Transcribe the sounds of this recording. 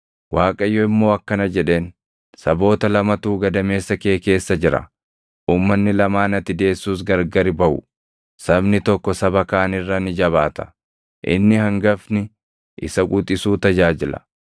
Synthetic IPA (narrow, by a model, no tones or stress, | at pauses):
waːkʼɐjːɔɪmːo̞ːɐkːɐnɐd͡ʒɛᶑe̞ːn | sɐbo̞ːt̪ɐlɐmɐt̪uːɡɐd̪ɐme̞ːsːɐke̞ːke̞ːsːɐd͡ʒɪɾɐ̰ | ʔuːmːɐnːɪlɐmaːnɐt̪ːɪd̪e̞ːsːuːs̬ɡɐɾɡɐɾɪbɐʔʊ̰ | sɐbnɪt̪ɔkːɔsɐbɐkaːnɪrːɐnɪd͡ʒɐβaːt̪ɐ̥ | ʔɪ̰nːɪhɐŋɡɐfnɪ | ʔɪ̰sɐkʼut̪ʼɪsuːt̪ɐd͡ʒaːd͡ʒɪlɐ̰